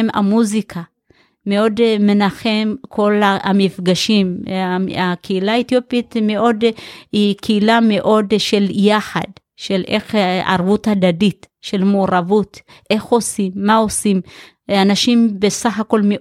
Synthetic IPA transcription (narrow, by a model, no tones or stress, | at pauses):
ma̰muzikʰa | meo̞dme̞naχemkʰo̞laamifɡaʃim | akʰeilaet̪jopit̪meʔo̞dikʰeilame̞ʔo̞dʃe̞ljaħa̰d | ʃelʔḛχʔa̰ʁvutadaditʃe̞lmoːʁavut | ʔe̞χo̞simːao̞sim | anaʃimbesaχako̞lme